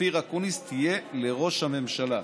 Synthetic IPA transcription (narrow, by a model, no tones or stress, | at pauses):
iʁakunist̪ʰije̞le̞ʁo̞ʃhame̞mʃala